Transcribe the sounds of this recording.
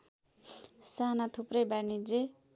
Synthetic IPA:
sanat̪ʰuprʌjbanid͡ze

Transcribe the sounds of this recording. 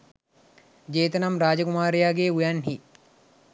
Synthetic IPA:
d͡ʒeːt̪ənamɾaːd͡ʒəkumaːɾejaːɡeːujanɦi

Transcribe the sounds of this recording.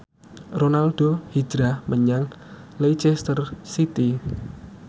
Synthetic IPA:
ronalɖ̥ohi̥d͡ʒɾahmʔəɲaŋ | lejt͡ʃɛst̪ərsit̪i

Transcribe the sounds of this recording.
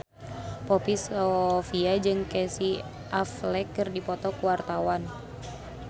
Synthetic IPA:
pɔpisɔfiad͡ʒɨŋkɛsi | ʔaflɛkːɨrdipɔt̪ɔkuwart̪awan

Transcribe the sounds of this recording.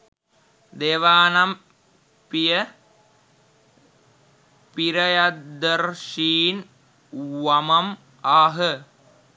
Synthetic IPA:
d̪eːʋaːnɐm | pijə | piɾɐjɐd̪ɐɾʃiːn | ʋɐmɐm | aːɦə

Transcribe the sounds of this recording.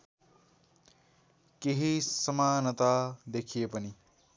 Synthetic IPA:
keɦisɐmaːnət̪ad̪ekʰijepʌni

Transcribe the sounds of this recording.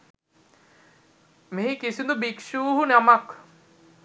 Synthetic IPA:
meɦikisind̪ubikʃuːɦunamak

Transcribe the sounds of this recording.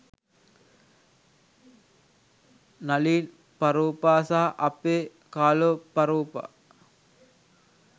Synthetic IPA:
naliːn | paɾuːpaːsaːʔɐpːeː | kaːlopaɾuːpa̰

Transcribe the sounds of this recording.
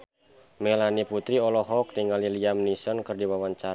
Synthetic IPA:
mɛlaniput̪ɾiɔlɔɦɔk̚diŋaliliamnisɔnkɨrdiwawaɲt͡ʃaɾ

